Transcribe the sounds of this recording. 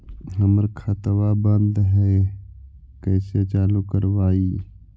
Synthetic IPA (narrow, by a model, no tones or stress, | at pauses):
ɦəməɾkʰət̪wabə̃nd̪ɦɛ | kɛːset͡ʃaːlukəɾwaːi